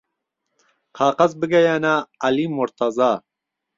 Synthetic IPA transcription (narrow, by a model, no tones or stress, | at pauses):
qʰɑːqɐzbɨɡɐjanaːlimʊɾt̪ʰɐzaː